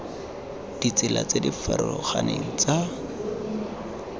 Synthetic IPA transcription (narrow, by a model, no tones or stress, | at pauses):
d̥it͡sɪla̰t͡sedifaɾɔlɔχaneŋ̩t͡sa